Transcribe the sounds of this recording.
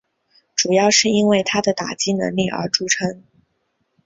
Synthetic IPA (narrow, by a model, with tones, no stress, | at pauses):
ʈ͡ʂu˨˩jɑ˥˧ʊʂɻ̩˥˩i˥nwe˥˩ɪt̪ʰa˥d̪ə˨t̪a̰˨˩t͡ɕi˥nə̰˧˥ŋli˥˩ʔə̰˞˧˥ʈ͡ʂu˥ʈ͡ʂʰɤ˥ŋ